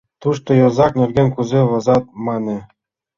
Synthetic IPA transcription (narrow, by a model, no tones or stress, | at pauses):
t̪uʂt̪ŏjɤ̆zɑknʲĕrʲɡʲenʲkuzʲeʋɤ̆zɑt̪̚mɑnʲɘ̆